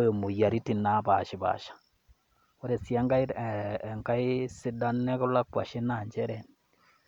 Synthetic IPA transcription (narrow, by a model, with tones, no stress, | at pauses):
jo˨mu˨ja˨ɾi˦ti˨na˦ba˨ʃi˨ba̰˨ʃḁ˨ | o˦ɾe˨sja˦ŋɡa˦i˦˨ŋka˦i˦si˦da˦nːɛ˦kʊ˦la˦kwa̰˨ʃi˦na˨ɲd͡ʒɛ˦ɾɛ˨n